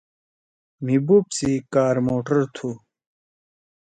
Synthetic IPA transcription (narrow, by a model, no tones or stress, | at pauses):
mibupsiikaːɾmoːʈɐɾt̪ʰu